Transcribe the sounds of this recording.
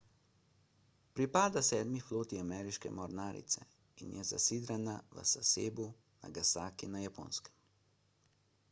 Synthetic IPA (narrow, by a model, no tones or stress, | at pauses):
pɾipaːd̪asɛːd̪mifloːt̪iamɛɾiʃkɛ̰mɔɾnaːɾḭt̪sɛ̰ | injɛza̰sid̪ɾanaʋə̰saseːbu | na̰ɡasaːkinajapo̰ːnskɛ̥m